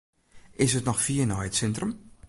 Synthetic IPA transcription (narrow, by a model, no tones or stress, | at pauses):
ʔɪsətnɔxfiːənɔjətsɛntrəm